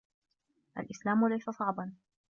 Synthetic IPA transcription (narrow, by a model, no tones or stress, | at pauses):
ʔa̰lʔɪslaːmʊlajsasˤɑʕbɑn